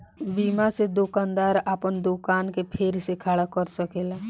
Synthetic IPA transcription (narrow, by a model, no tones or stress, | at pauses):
biːmased̪okaːnd̪aːɾaːpənd̪okaːnkepʰeɾsekʰaːɽakəɾsəkeːla